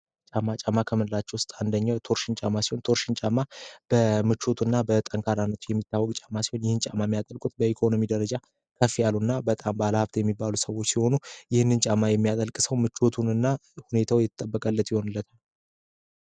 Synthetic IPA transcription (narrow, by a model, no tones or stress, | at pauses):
t͡ʃʼamːat͡ʃʼamːakʰəmɨnɨlat͡ʃːɛwʊst̪ʼand̪əɲːawt̪ʰo̞ɾʃɪnt͡ʃʼamːasiho̞nt̪ʰo̞ɾʃɪnt͡ʃʼamːab̥əmɨt͡ʃːo̞t̪ʰunːabət̪ʼəŋkʰaɾanːət̪ʰujɛmːit̪ːawːɔkʼt͡ʃʼamːasi̥ho̞njɪhɨnt͡ʃʼamːajmijat̪ʼəlkʼut̪bəikʰo̞no̞mid̪əɾəd͡ʒa | kʰəfːijalːunːabət̪ʼambaləhabt̪jɛmːibːalusəwo̞t͡ʃːsiho̞nujɪhɨnːɨnt͡ʃʼamːajɛmːijat̪ʼəlkʼɨsəwmɨt͡ʃːo̞t̪ʰunɨnːahune̞t̪ʰawjɛt̪ʰət̪ʼəbːəkʼəlːət̪jɪho̞nɨlːət̪ʰal